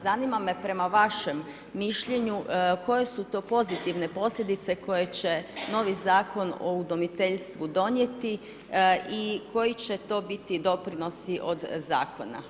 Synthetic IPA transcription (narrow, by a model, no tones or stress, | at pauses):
zanimame̞pɾe̞maʋaʃe̞mː | iʃʎe̞ɲuko̞je̞sut̪o̞ːpo̞zit̪iʋne̞po̞slʎʲed̪it̪se̞ko̞je̞t͡ɕe̞no̞ʋizaːko̞no̰ud̪o̞mit̪eʎst̪ʋud̪o̞nje̞t̪i | iko̞jit͡ɕe̞t̪o̞ːbit̪id̪o̞pɾino̞siʔo̞d̪za̰ːkʰo̞̰na̰